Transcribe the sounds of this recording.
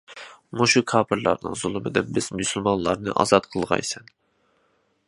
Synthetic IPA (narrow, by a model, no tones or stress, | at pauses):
moʃukʰɑːpʰɨɾlˠɑ̰ɾnɨ̰ŋzulˠɨmɨd̪ɨnbɪzmysɨlˠmɑnlˠɑɾnɨ̰ʔɑ̰zɑt̪qʰəlˠʁɑ̰jsɛn